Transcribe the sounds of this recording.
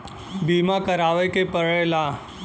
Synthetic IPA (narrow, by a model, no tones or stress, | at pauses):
biːmakəɾaːʋekepəɭela